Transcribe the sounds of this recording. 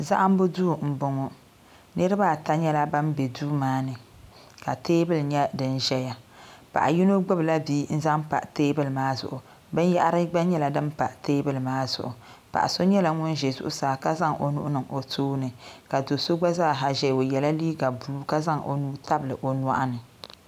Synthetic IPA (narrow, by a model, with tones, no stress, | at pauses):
za˦ʔa˦m˦bʊ˦duː˦˨m̩˨bʊ˨ŋo˦ | nɨ˦ɾɨ˦baː˦˨ta˦ɲɛ˦la˦ba˦nbɛ˨duː˦maː˦nɨ˨ | ka˨teː˦bɨ˦lɲɛ˦dɨ˦nʒɛ˦ja˨pa̰˨ʔa˨ji˦no˦ɡ͡bʊ˦bla˦biː˦n̩˦za˦mpa̰˨ʔteː˦bɨ˦lɨ˨maː˦zʊ̰˨ʔʊ˨ | bɨ˦n˦ja˦ʔɾɨ˦ɡ͡ba˦ɲɛ˦la˨dɨ˦m˦pa˨ʔteː˦bɨ˦lmaː˦zʊ̰˨ʔʊ˨pa̰˨ʔa˨so˦ɲɛ˦la˨ŋʊ˦nʒɛ˨zʊ̰˦ʔʊ˦saː˨˦ka˦za˦ŋo˨nʊ˦ʔʊ˦nɨ˨ŋo˨toː˦nɨ˨ka˨do˨so˦ɡ͡ba˦zaː˦˨ɦa˨ʒɛ˦˨o˨jɛ˨la˦liː˦ɡa˨bu˨lu˦ka˦za˦ŋʔo̰˨nuː˦ta˦blɨ̰˨ʔo˨n˦a̰˦ʔa˦nɨ˨